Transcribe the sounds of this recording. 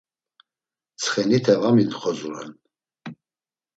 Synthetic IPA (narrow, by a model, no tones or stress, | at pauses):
t͡sʰχɛnit̪ʰɛvaminχɔzuɾɛ̰n